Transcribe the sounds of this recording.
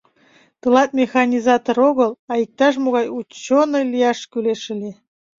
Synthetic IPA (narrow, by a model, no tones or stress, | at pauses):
t̪ɨlɑt̪̚mʲexɑnʲizɑt̪oɾoɣəlɑik̚t̪ɑʃ̬moɣɑjut͡ɕːonojlijɑʃkyleʃəli